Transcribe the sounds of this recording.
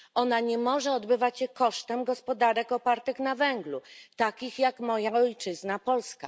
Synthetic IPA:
ʔɔnaɲɛmɔʐɛɔd̪bɘvat͡ɕɕɛkɔʂt̪ɛmɡɔspɔd̪aɾɛkɔpaɾt̪ɘxnavɛŋɡlut̪akʲixjakmɔjaɔjt͡ʂɘznapɔlska̰

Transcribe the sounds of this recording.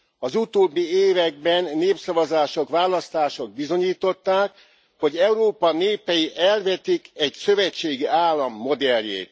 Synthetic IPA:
ɒzut̪oːbːieːvɛɡ̚bɛnːeːpsɒvɒzaːʃo̞kʋaːlɒst̪aːʃo̞ɡ̚bizo̞ɲiːt̪o̞t̪ːaːk | ho̞ɟɛuɾoːpɒneːpɛjiʔɛlvɛt̪ikɛcsø̞vɛt͡ʃːeːɡiaːlːɒmːo̞d̪ɛljḛːt̪

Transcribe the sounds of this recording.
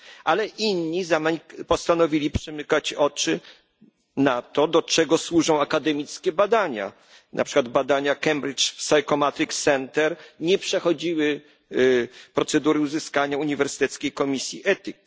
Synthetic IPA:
ʔalɛʔinːizampɔst̪anɔvʲilʲipʂɛmɘkat͡ɕɔt͡ʂɘ | nat̪ɔd̪ɔt͡ʂɛɡɔswuʐɔ̃w̃akad̪ɛmʲit̪skʲɛbad̪aɲa̰ | na̰pʂɘkwad̪bad̪aɲakɛmbɾit͡ʂsajkɔmat̪ɾiksɛnt̪ɛɾɲɛpʂɛxɔd͡ʑiwɘ | pɾɔt̪sɛd̪uɾɘuzɘskaɲauɲivɛɾsɘ̥t̪ɛt̪skʲejkɔmʲisʲjiʔɛt̪ʲik̚

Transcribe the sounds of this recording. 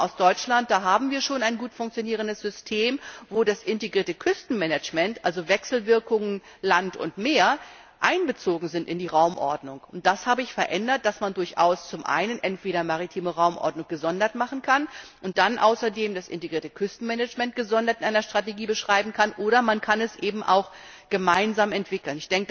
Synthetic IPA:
ʔaʊsd̥ɔʏt͡ʃlant̚d̥aːɦaːbm̩viːɐʃoːnaɪnɡuːtfʊŋk̚t͡sjoniːʁ̞əndəsz̥ʏstʰeːmvoːdasʔɪnteɡʁiːɐtəkʰʏstn̩mɛnɛt͡ʃmɛntʔalzovɛksl̩vɪɐkʊŋən | lantʊ̰ntmeːɐ | ʔaɪnbət͡soːɡŋ̩zɪntɪndiːʁaʊmʔɔɐdnʊŋʊnt̚d̥ashaːbəɪçfɛɐʔɛndɐt̚d̥asmandʊɐçʔa̰ʊst͡sʊmʔa̰ɪnənʔɛntv̥eːɾɐmaʁitʰiːməʁaʊmʔɔ̰ɐdnʊŋɡ̥əzɔndɐtmaχn̩kʰanʔʊnt̚d̥anʔa̰ʊsɐdeːmdasʔɪ̰nteɡʁiːɐtəkʰʏstn̩mɛnɛt͡ʃmɛnt̚ɡ̥əzɔndɐtɪnʔaɪnɐʃtʁ̥ateɡiːbəʃʁ̥aɪbm̩kʰanʔoːɾɐmankʰanɛsʔeːbm̩ʔa̰ʊx | ɡ̥əmaɪnzaːmɛntv̥ɪkl̩nɪçd̥ɛŋkə

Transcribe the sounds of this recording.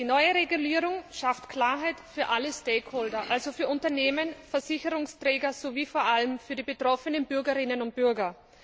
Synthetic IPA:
d̥iːnɔʏəʁeɡuliːʁʊŋʃaftkʰl̥aːɐɦæɪtfyːɐʔaləsteːkʰhoːldɐʔalzofyːɐʊntɐneːmənfɛɐzɪçəʁʊŋstʁ̥ɛːɡɐz̥oviːfoːɐʔaləmfyːɐdiːbetʁ̥ɔfənənb̥ʏɐɡɐʁɪnənʊnt̚b̥ʏɐɡɐ

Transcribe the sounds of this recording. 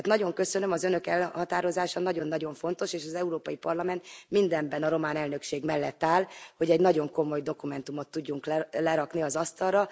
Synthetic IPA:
t̪nɒɟo̞ŋkø̞sønømɒzønø̞kɛlhɒt̪aːɾo̞zaːʃɒnɒɟo̞nːɒɟo̞ɱfo̞n̪t̪o̞ʃeːʃɒzɛuɾoːpɒjipɒrlɒmɛnt̪mind̪ɛmbɛnɒɾo̞maːnɛlnø̞kʃeːɡmɛlːɛt̪ːaːlho̞ɟɛɟnɒɟo̞ŋko̞mo̞jd̪o̞kumɛn̪t̪umot̪ːuɟːuŋkllɛɾɒkniɒzɒst̪ɒrrɒ

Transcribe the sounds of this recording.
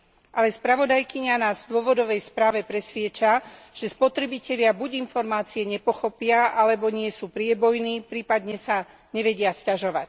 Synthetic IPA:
ʔalɛspɾaʋɔd̪ajkiɲanaːzvd̪ʊɔʋɔd̪ɔʋɛjspɾaːʋɛpɾɛsʋɪɛt͡ʃa | ʒ̥ɛspɔt̪ɾɛbicɛʎɪabuɟinfɔɾmaːt͡siɛɲɛpɔxɔpɪaʔalɛbɔɲɪɛsuːpɾɪɛbɔjniːpɾiːpad̪ɲɛsa | ɲɛʋɛɟɪascaʒɔʋac

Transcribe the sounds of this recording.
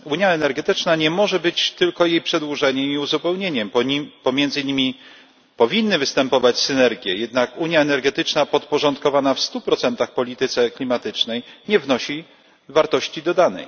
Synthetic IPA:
uɲjaɛnɛɾɡɛt̪ɘt͡ʂnaɲɛmɔʐɛbɘt͡ɕt̪ɘlkɔjejpʂɛd̪wuʐɛɲɛmiuzupɛwɲeɲɛmpɔmʲjɛnd̪zɘɲimʲi | pɔvʲinːɘvɘst̪ɛmpɔvat͡ɕsɘnɛɾɡʲjɛ̰jɛd̪nakuɲjaɛnɛɾɡɛt̪ɘt͡ʂnapɔt̪pɔʐɔnt̪kɔvanafst̪upɾɔt̪sɛnt̪axpɔlʲit̪ɘt̪sɛklʲimat̪ɘt͡ʂnɛjɲɛvnɔɕi | vaɾt̪ɔɕt͡ɕid̪ɔd̪anɛ̰j

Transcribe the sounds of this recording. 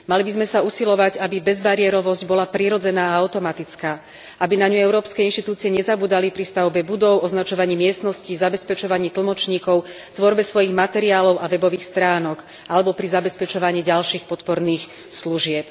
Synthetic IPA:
malibizmɛsausilɔʋaɟabibɛzbaɾiɛɾɔʋɔzɟbɔlapɾiɾɔd͡zɛnaːaʊt̪ɔmat̪it͡skaː | ʔabinaɲuɛʊɾɔːpskɛinʃt̪it̪uːt͡siɪɛɲɛzabuːd̪alipɾist̪aʊbɛbud̪ɔʊʔɔznat͡ʃɔʋaɲiːmɪɛst̪nɔscizabɛspɛt͡ʃɔʋaɲiːt̪l̩mɔt͡ʃɲiːkɔʊ | t̪ʋɔɾbɛsʋɔjiɣmat̪ɛɾiaːlɔʊʔaʋɛbɔʋiːxst̪ɾaːnɔk | ʔalɛbɔpɾizabɛspɛt͡ʃɔʋaɲiːɟalʃiːxpɔt̪pɔɾniːx | sluʒɪɛp

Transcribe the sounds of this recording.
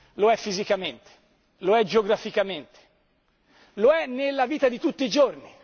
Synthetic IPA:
loɛfːizikament̪e̥ | loɛd͡ʒeoɡɾafikament̪e̥ | loɛnːelːaviːt̪ad̪it̪ut̪ːiːd͡ʒorni

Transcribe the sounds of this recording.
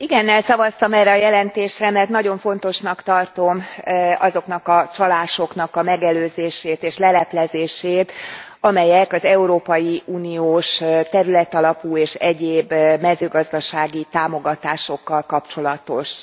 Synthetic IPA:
iɡɛnːɛlsɒvɒst̪ɒmɛrːɛɒjɛlɛnt̪eːʃrɛmɛrt̪nɒɟo̞ɱfo̞n̪t̪o̞ʃnɒkt̪ɒrt̪o̞mɒzo̞kn̪ɒkɒt͡ʃɒlaːʃo̞knɒkɒmɛɡɛløːzeːʃeːt̪eːʃlɛlɛplɛzeːʃeːt̪ɒmɛjɛkɒzɛuɾoːpɒjiuːnioːʃt̪ɛɾylɛt̪ɒlɒpuːeːʃɛɟeːbmɛzøːɡɒzd̪ɒʃaːɡit̪aːmo̞ɡɒt̪aːʃo̞kːɒlkɒpt͡ʃo̞lɒt̪o̞ʃ

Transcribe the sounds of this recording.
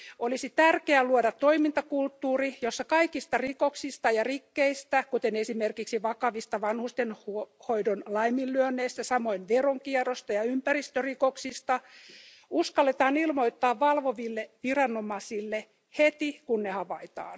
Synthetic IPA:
olisit̪ærkeæluodɑt̪ːoimint̪ɑkult̪ːuːrijosːɑkɑikist̪ɑrikoksist̪ɑjɑrikːeist̪ækut̪enesimerkiksiʋɑkɑʋist̪ɑʋɑnhust̪enhuhoidonlɑimilːyønːeist̪æsɑmoinʋeroŋkiɛrost̪ɑjɑympærist̪ørikoksist̪ɑ | uskɑlːet̪ɑːnilmoit̪ːɑːʋʋɑlʋoʋilːeʋirɑnomɑsilːe | het̪ikunːehɑʋɑit̪ɑ̰ːn

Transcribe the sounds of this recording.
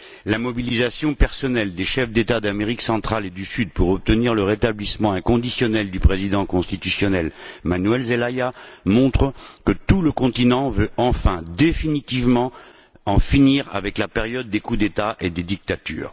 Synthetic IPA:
lamɔbilizasjɔ̃pɛʁsɔnɛld̪eʃɛfd̪et̪ad̪ameʁiksɑ̃t̪χaled̪ysyd̪̚puʁɔp̚t̪əniʁləʁet̪ablismɑ̃ɛ̃kɔ̃d̪isjɔnɛld̪ypχezid̪ɑ̃kɔ̃st̪it̪ysjɔnɛlmanɥɛlzelajamɔ̃t̪χəkət̪uləkɔ̃t̪inɑ̃vøɑ̃fɛ̃d̪efinit̪ivmɑ̃ | ɑ̃finiʁa̰vɛklapeʁjɔd̪ːekud̪et̪aʔed̪ed̪ik̚t̪at̪y̰ːʁ

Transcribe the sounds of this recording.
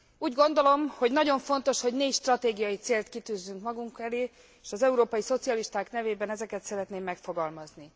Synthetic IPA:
uːɟɡo̞nd̪o̞lo̞mho̞ɟnɒɟo̞ɱfo̞nt̪o̞ʃho̞ɟneːcʃt̪rɒt̪eːɡijɒjit̪seːlt̪kit̪yːzːyŋkmɒɡuŋkɛleː | eːʃɒzɛuɾoːpɒjiso̞t̪sijɒliʃt̪aːkn̪ɛveːbɛnɛzɛkɛt̪sɛɾɛt̪neːmːɛkfo̞ɡɒlmɒzni

